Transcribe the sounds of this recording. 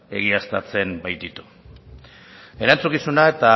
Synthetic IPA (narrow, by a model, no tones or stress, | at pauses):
e̞̰ɣ̞iast̪a̰t͡se̞mbajt̪it̪u̥ | e̞ɾant͡sukisunae̞t̪a